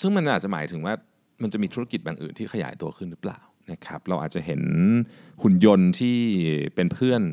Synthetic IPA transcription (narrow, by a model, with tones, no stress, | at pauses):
sɯ˥˩ŋma˧nʔʔaː˨˩t͡ɕa˨˩maː˩˦jt̪ʰɯ˩˦waː˥˩ | ma˧nt͡ɕa˨˩ʔmiː˧u˦˥ɾa˥ki˨˩t̪̚baː˨˩ŋʔɯ̰ː˨˩nt̪ʰiː˥˩kʰa˧ja̰ː˩˦jt̪u˧ɐkʰɯ˥˩nɾɯ˦˥pla̰ː˨˩wna˦˥kʰa˦˥p̚ɾa˧wʔaː˨˩t͡ɕa˨˩ɦe˩˦n | ku˧˩njo˧nt̪ʰiː˥˩pe˧npʰɯ˥˩ən